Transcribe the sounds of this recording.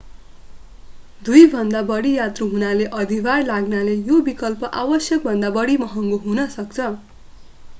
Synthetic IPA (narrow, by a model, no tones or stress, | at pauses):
d̪ujbʱʌnd̪abʌɽijat̪ruɦunaleʔʌd̪ʱiɡarlaɡnalejobikʌlpʌʔawʌsjʌk̚bʱʌnd̪abʌɽimʌɦʌŋɡoɦunʌsʌkt͡sʰʌ